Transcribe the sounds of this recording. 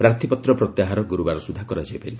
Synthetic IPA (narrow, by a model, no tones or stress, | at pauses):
pɾaɾt̪ʰipɔt̪ɾɔpɾɔt̪jaɦaɾɔɡuɾubaɾɔsud̪ʱːakɔɾad͡ʒajpal